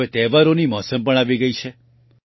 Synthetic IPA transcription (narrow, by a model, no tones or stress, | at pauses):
et̪ɛʋaɾonimɔsəmpəɳ̃aʋiɡəit͡ʃʰe